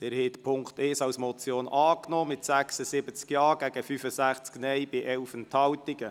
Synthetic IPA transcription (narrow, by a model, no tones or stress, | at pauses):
d̥̪ɛːɾhɛt̪pʰʊŋkt̪ɛːsɑwsmɔt͡sjoːnʔɑːknɔːmɪt̪sæksəsɪbət͡skjɑːɡ̥æɡəfyfəsæχt͡sknɛjbɪʔɛlfənt̪hɑwtɪɡə